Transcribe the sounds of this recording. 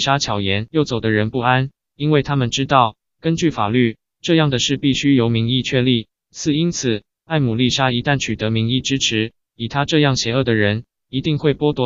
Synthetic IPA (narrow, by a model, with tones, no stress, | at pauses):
ʂa˥t͡ɕʰjɑ˨˩ʊjɛ˧˦njo˥˩ʊt͡so˨˩ʊd̪ə˦ɻə˧˦npu˥˩a˦˥n | i˥nwe˥˩ɪt̪ʰa˥mə˨nʈ͡ʂɻ̩˥t̪ɑ˥˩ʊ | kə˦nt͡ɕy˥˩fa̰˨˩ly˥˩ | ʈ͡ʂɤ˥˧jɑ˥˩ŋd̪ə˩ʂɻ̩˥˧pi˥˩ɕy˥jo˧˥ʊmi˧˥ŋi˥˧t͡ɕʰɥɛ˥˧li˥˩ | t͡sʰɹ̩˥˩i˥nt͡s̩ʰ˨˩ | a˥˩ɪmu˨˩li˥˩ʂa˥i˧˥t̪a˥˩nt͡ɕʰy˨˩t̪ɤ˧˥mi˧˥ŋi˥˩ʈ͡ʂɻ̩˥ʈ͡ʂʰɻ̩˧˥ | i˨˩t̪ʰa˥ʈ͡ʂɤ˥˧jɑ˥˩ŋɕjɛ˧˥ɤ˥˩d̪ə˩ɻə˧˦n | i˧˥t̪i˥˧ŋxwe˥˩ɪpwɔ˥t̪wɔ˧˥